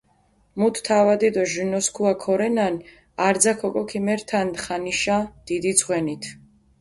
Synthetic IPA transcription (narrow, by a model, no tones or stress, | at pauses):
mut̪ʰt̪ʰavad̪id̪ɔʒunɔskʰuakʰɔɾɛnan | aɾd̪zakʰɔkʼɔkʰimɛɾt̪ʰanχaniʃad̪̥id̪id̪sʰʼχwɛnit̪ʰ